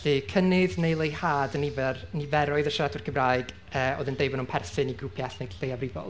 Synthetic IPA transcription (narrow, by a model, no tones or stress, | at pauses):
ɬɨkʰənɪðnejlˠejhaːdənɪvɛrnɪvɛɾɔɨðəʃradʊrkʰəmraːɨɡ̥ | əːo̰ːðɨndeɨbɔnumpʰɛrθɨniɡrʊpʰjaɬnejɬejavrɪvɔ̰lˠ